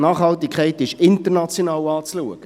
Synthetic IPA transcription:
nɑːχhɑltikʰχɛɪtɪʃɪntəɾnat͡sjonɑːwɑːt͡sluəɡ̥ə

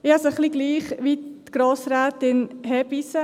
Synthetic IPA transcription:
ɪasoχliɡliːχʋitɡ̥ɾoːsɾaːt̪ɪnɦɛbisə

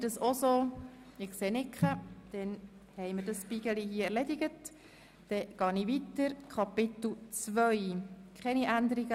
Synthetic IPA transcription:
d̥əsosoːɪkseːnɪkχəd̪̥ɛn | hɛɪməɾdəsʃpiɡ̥əliɦiːɛɾlɛdɪɡət | d̥ɛɡ̥ɑːniʋitəɾkʰɑpɪt̪l̩ˠt͡sʋœɥkʰχɛniʔænd̪əɾiɡə

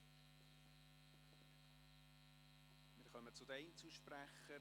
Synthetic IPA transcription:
mɪːɾχœmət͡sʊd̪ɛɪnt͡suʃpræχə

